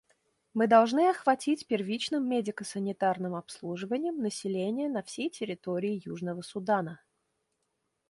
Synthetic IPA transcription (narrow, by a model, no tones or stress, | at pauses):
mɨd̪ɐlˠʐnɨɐxvɐtʲitʲpʲɪrvʲit͡ɕnɨmːʲedʲɪkəsənʲɪt̪arnɨmɐpslˠuʐɨvənʲɪjəmnəsʲɪlʲenʲɪjənɐfsʲejtʲɪɾʲɪt̪oɾʲɪːjuʐnəvəsʊd̪anə